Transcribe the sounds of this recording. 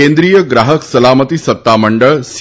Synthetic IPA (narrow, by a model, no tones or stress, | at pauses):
ẽnd̪ɾijəɡɾaːɦəksɐlaːmət̪isɐt̪ːaməɳɖəɭs